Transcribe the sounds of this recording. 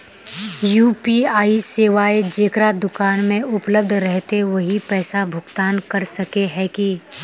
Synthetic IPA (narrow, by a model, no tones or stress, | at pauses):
juːpiaːiseːʋaːed͡ʒeːkɾad̪ʊkaːnmẽʔʊpləb̚d̪ʱɾɛɦt̪eʋɐɦipɛːsabʱʊɡt̪aːnkɐɾsɐkeɦɛki